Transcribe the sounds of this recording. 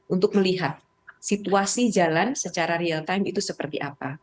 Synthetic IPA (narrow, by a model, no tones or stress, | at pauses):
ʔunt̪ʊk̚məliɦat̪̚ | sit̪uasid͡ʒalansət͡ʃaɾaɾialt̪ajmit̪usəpərt̪ḭʔapa